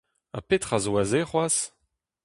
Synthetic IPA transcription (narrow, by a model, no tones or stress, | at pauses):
a̰pet̪χazowazeχwas